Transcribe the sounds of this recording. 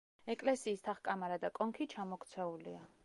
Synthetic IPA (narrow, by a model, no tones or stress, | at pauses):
ɛkʼlɛsiːst̪ʰaχkʼamaɾad̪akʼɔŋkʰit͡ʃʰamɔkʰt̪sʰɛulia